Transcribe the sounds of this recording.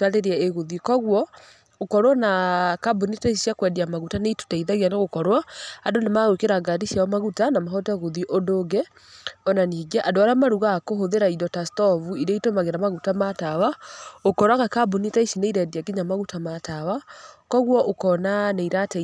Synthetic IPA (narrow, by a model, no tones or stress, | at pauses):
taɾeɾaeɣoðikɔɣwɔ | okɔɾwɔnakabonitaiiʃiakwɛdiamaɣutaneito̥taiðaɣianeɣokɔɾwaadonamaɣokeɾaɡadiʃjaɔmaɣutanamaɦɔtaɣoðiʔodoɡɛ | ɔnaniɡaʔadoaɾamaɾuɣakoɦoðeɾaidɔtastɔvuiɾeitomaɣeɾamaɣutamatawaokɔɾwaɣakabonitaiʃineiɾɛdiaɡiɲamaɣutamatawakɔɣwɔʔokɔnaneiɾate